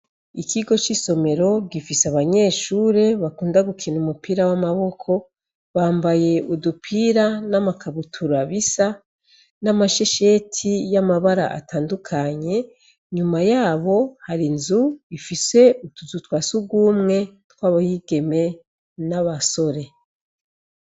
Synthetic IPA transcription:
ikiɡo̞t͡ʃiso̞me̞ɾo̞ɡifiseaβaɲe̞ːʃuːɾe̞βakuːndaɡukʰinumupiːɾawamaβo̞kʰo̞ | βaːmbaje̞udupʰiːɾanamakʰaβutʰuɾaβisa | namaʃe̞ʃe̞tʰijamaβaɾa̰ʔa̰taːndukʰaɲe̞ | ɲumajaːβo̞haɾinzuifise̞utuzutwaːsuɡwuːmŋe̞twaːβahiɡ̥e̞me̞ | naβaso̞ɾe̞

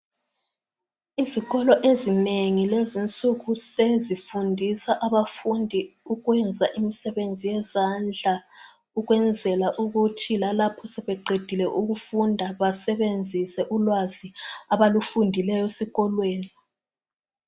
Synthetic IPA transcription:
iziɣɔlɔʔezineŋilezint͡sʼuɣusezifundʱisaʔaβafundʱiuɣwɛnd͡zʱaʔimisɛβend͡zʱijɛzand͡ɮʱa | uɣwɛnd͡zʱɛlaʔuɣutʰilalapʰɔsɛβɛɡ͡ǃʱed̥ʱilɛʔuɣufundʱaβasɛβend͡zʱisɛʔulwaziaβalufundʱilɛjɔesiɣɔlweːni

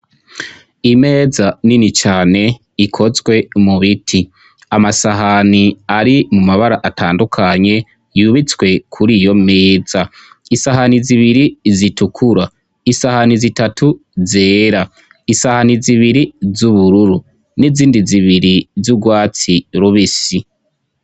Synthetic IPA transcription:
ime̞ːzaninit͡ʃaːne̞ | ikʰo̞zɡwe̞muβitʰi | amasaɦaniaɾimumaβaɾaʔatʰaːndukʰaɲe̞ | juβit͡swe̞kʰuɾijo̞meːza | isaɦaniziβiɾizitukʰuɾa | isahanizitatʰuzeːɾa | isahaniziβiɾizuβuɾuɾu | niziːndiziβiɾizub̚ɡwaːt͡siɾuβisi

